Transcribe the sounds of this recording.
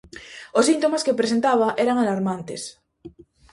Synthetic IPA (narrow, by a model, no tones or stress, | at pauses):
osːint̪omaskepɾes̬ent̪aβ̞aʔeɾaŋalaɾmant̪ḛs